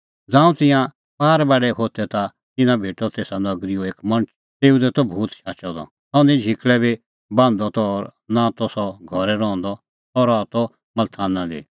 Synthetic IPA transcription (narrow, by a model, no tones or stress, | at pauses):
d͡zãːũt̪ɪ̃jã | paːɾbaːɖɛɦoːt̪ɛt̪a | t̪ɪnãbʱeːʈɔt̪eːsanɐɡɾioeːkmɐ̃ɳət͡ʃʰ | t̪eːud̪ɛt̪ɔbʱuːt̪ʃʰaːt͡ʃɔd̪ɔ̰ | t̪ɔ̃nĩd͡ʒʱɪkɭɛbi | bãːnd̪ɔt̪ɔːɾnãt̪ɔsɔɡʱɔɾɛɾɔ̃ːnd̪ɔ | ɔɾaːt̪ɔ | mɐlt̪ʰaːnãd̪ḭ